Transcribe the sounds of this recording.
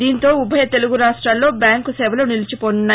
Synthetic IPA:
d̪iːnt̪o̞ːubʱɐjɐt̪e̞luɡuɾaːʂʈɾaːlːo̞ːbjaːŋkusɛːʋɐloːnilit͡ʃipoːnunːaː

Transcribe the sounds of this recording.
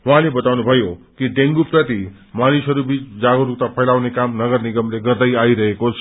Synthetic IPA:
wuɦãlebʌt̪awnubʱʌjokiɖeŋɡuprʌt̪i | manisʌɾubit͡sd͡zaɡoɾuk̚t̪apʰʌjlawnekamnʌɡʌrniɡʌmleɡʌɾd̪ʌjaiɾʌɦekot͡sʰ

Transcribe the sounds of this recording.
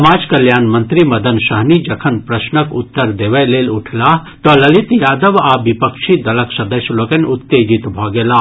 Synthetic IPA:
maːd͡ʒkɐljaːnmɐnt̪ɾimɐd̪ɐnsɐɦnid͡ʒɐkʰɐnpɾɐsnəkut̪ːəɾd̪eːʋɐleːluʈʰlaː | t̪ɔlɐlit̪jaːd̪əʋaːbipəkʃid̪ɐlɐksɐd̪ɐsjloːkɐnʲut̪ːeːd͡ʒit̪bʱɔːɡeːlaː

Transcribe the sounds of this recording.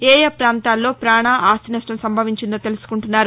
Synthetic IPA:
ɛːjɐpɾaːnt̪aːlːo̞ːpɾaːɳaːʔaːst̪inɐsʈɐmsɐmbʱɐʋiɲt͡ʃind̪oːt̪elusu̥kuɳʈunːaːɾu

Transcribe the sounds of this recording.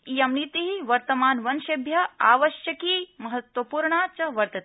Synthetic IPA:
ijɐmnit̪iɦiʋɐɾt̪ɐmaːnʋɐnʃɐbʱjɐa̰ːʋɐʃjɐkiːmɐɦɐt̪wɐpuːɾɳaːt͡ʃɐʋɐɾt̪ɐt̪

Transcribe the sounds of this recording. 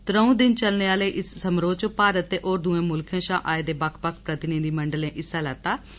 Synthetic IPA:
t̪ɾəũːd̪ɪnt͡ʃəlneːaːleːʔɪsːəmɾoːt͡ʃəpaːɾət̪ːeːʔoːɾd̪uːẽːmʊlkʰẽːʃa̰ːʔa̰ːeːd̪eːbəkʰpəkʰpɾət̪ɪnɪd̪iːməɳɖəlẽːʔɪsːaːlɛːt̪ːaː

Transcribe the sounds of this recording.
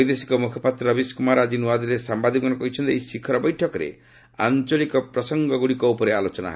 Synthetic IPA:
jd̪esi̥kɔmukʰɔpat̪ɾɔɔbiskumaɾad͡ʒinuad̪iɾesambad̪ʱiɔnɔkɔɦit͡ʃʰɔ̃nt̪iejsikʰɔɾɔbɔjʈʰɔkɔɾḛ | a̰nt͡ʃɔlikɔpɾɔsɔŋɡɔɡuɽikɔupɔɾealot͡ʃɔna̰ɦɔe

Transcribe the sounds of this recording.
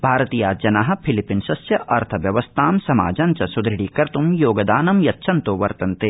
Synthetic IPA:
bʱaːɾɐt̪iːjaːd͡ʒɐnaːɦɐ̆pʰilipinsɐsjɐʔɐɾt̪ʰɐʋjɐʋɐst̪ʰaːmsɐma̰ːd͡ʒɐnt͡ʃɐsud̪ɾɪɽiːkɐɾt̪umjoːɡɐd̪aːnɐmjɐt̪ːʃʰɐnt̪oːʋɐɾt̪ɐnt̪eː

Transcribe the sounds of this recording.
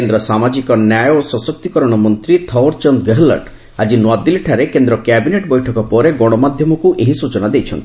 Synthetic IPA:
end̪ɾɔsamad͡ʒikɔnjajɔsɔsɔk̚t̪ikɔɾɔɽ̃ɔmɔnt̪ɾit̪ʰɔwɔɾt͡ʃɔnd̪ɡeɦlə̰ɖ | ad͡ʒinwad̪ileʈʰaɾekend̪ɾɔkjabineʈbɔjʈʰɔkɔpɔɾeɡɔɽ̃ɔmad̪ʱjɔmɔkuʔeɦisut͡ʃɔnad̪ejt͡ʃʰɔnt̪i̥

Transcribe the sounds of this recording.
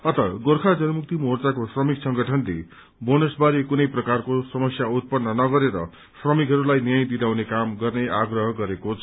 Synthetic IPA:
ʌt̪ʌɡorkʰad͡zʌnʌmuk̚t̪imort͡sakosrʌmiksʌŋɡʌʈʰʌnlḛ | bonosbaɾikunʌjprʌkarkosʌmʌsjaut̪̚pʌnːʌnʌɡʌɾeɾʌ̰ | srʌmikɦʌɾulajnijajd̪id̪awnekamɡʌrneʔaɡrʌɦʌɡʌɾekot͡sʰʌ̥

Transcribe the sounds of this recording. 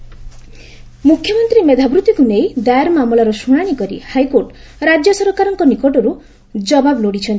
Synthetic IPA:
mukʰːjɔmɔnt̪ɾimed̪ʱabɾut̪ikunejd̪ajaɾmamɔɭɔɾɔsuɽ̃aɽ̃ikɔɾḭhajkoɾʈ | ɾad͡ʒjɔsɔɾɔkaɾɔŋkɔnikoʈɔɾu | d͡ʒɔbabloɽit͡ʃʰɔnt̪i̥

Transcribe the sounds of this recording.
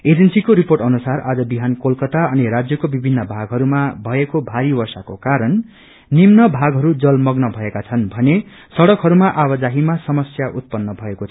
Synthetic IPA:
ed͡zensikoɾiporʈʌnusarad͡zʌbiɦankolkʌt̪aʌniɾad͡zjʌkobibʱinːʌbʱaɡɦʌɾumabʱʌekobʱaɾibʌrsakokaɾʌnː | imnʌbʱaɡɦʌɾud͡zʌlmʌɡnʌbʱʌekat͡sʰʌnbʱʌne | sʌɽʌkɦʌɾumaʔabʌd͡zaɦimasʌmʌsjaʔut̪̚pʌnːʌbʱʌeko

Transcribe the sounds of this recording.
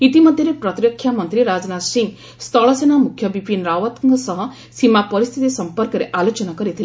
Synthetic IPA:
it̪imʌd̪ʱjɾepɾɔt̪ɾjɔkʰːjamʌnt̪ɾiɾad͡ʒnat̪siŋɡ | st̪ʰɔɭɔsenamukʰːjʌbipinɾaʋat̪ŋɡsʌɦʌ̃ | simapɔɾist̪ʰit̪isʌmpɔɾkəɾeʔalot͡ʃɔnakɔɾit̪ʰi

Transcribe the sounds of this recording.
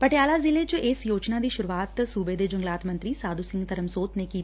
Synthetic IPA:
pəʈjaːlaːzɪlet͡ʃɪsjoːt͡ʃnaːd̪iːʃʊɾuaːt̪suːbed̪eːd͡ʒʊŋɡlaːt̪mə̃nt̪ɾiːsaːd̪usɪ̃ŋɡt̪əɾəmsoːt̪neːkiːt̪ː

